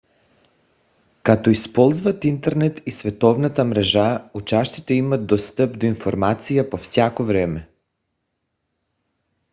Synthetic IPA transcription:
kat̪ɔispɔlˠzvat̪int̪ɛɾnɛt̪isvɛt̪ɔvnat̪amɾɛʒaut͡ʃaʃt̪it̪ɛimad̪̚d̪ɔst̪apd̪oinfɔɾmat̪sijapofsjakovɾɛmɛ

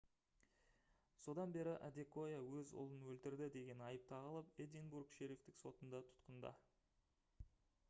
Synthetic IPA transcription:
so̞d̪ɑnbe̞ɾɪʔæd̪eko̞jawɵzʊ̰lˠənwɵlt̪ɪɾd̪ɪd̪e̞ɡʲe̞nɑjəp̚t̪ʰɑʁɑlˠəped̪ʲenbuɾkʃe̞ɾift̪ɪkso̞t̪ənd̪ɑt̪ʰʊ̥t̪qənd̪ɑ̰

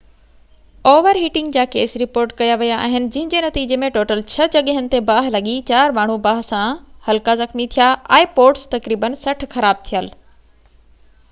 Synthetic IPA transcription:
oːʋəɾɦiːʈɪ̃ŋɡd͡ʑaːkeːsɾɪpoːɾʈkɐjaʋijaa̰ːɦɪnɪ̆d͡ʑɐ̃ɦɪ̃ɲd͡ʑenɐt̪iːd͡ʑemẽʈoːʈəlt͡ɕʰɐd͡ʑɐɠəɦənɪ̆t̪ebaːɦlɐɠit͡ɕaːɾmaːɳ̤ubaːɦsãhɐlkazɐxmit̪ʰijaʔɛ̃ːpoːɾʈst̪ɐkɾiːbənsɐʈʰxɐɾaːb̚t̪ʰijəl

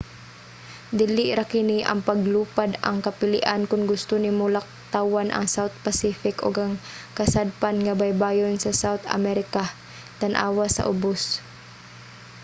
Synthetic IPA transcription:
d̪ɪlɪʔɾakɪniʔɐ̰ŋpaɡluːpad̪a̰ŋkapɪlɪ̰ʔankʊnɡʊst̪ʊnɪmʊlak̚t̪awanʔɐ̰ŋsawt̪̚pasifɪkʊ̰ɡaŋkɐsad̪̚panŋabajbaːjonsɐsawt̪a̰mɛɾɪka | t̪anʔa̰ːwasa̰ʔʊbʊs

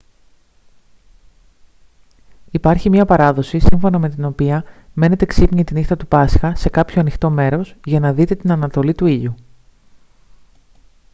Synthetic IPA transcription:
ipɐɾçimɲɐpɐɾɐðo̞sisiɱfo̞nɐme̞t̪ino̞piɐme̞ne̞t̪e̞ksipɲit̪inist̪ɐt̪upɐsxɐse̞kɐpço̞ɐnixt̪o̞me̞ɾo̞sʝɐnɐðit̪e̞t̪inɐnɐt̪o̞lit̪uiʎu

